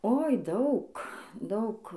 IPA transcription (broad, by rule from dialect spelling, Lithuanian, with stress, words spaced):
oːɪ ˈdɐʊk ˈdɐʊk